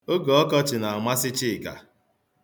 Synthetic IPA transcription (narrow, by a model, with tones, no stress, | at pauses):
o˦ɡɔ˨ɔ˦kɔ˦t͡ʃɪ˨na˨a˨mʷa˦sɪ˦t͡ʃɪ˦˨ka̰˨